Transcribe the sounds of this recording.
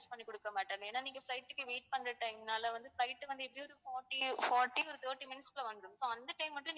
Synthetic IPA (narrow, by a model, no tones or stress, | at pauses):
t͡ʃpɐɳːikɔɽɯkːɐmaːʈːaːmeːnːaːniːŋɡɐflɐɪʈːɯkːɯʋiːʈ̚pɐnd̪ɯʈːɐ̃ŋnaːlɐʋɐnd̪ɯflɐɪʈːɯʋɐnd̪ɯɛpːɐɽiɔɾɯfoːʈːifoːɾʈːiɔɾɯt̪oːʈːimɪnsklɐʋɐnd̪ɾɯmsoːɐnd̪ɐʈɐɪmːɐʈːlɐ̃n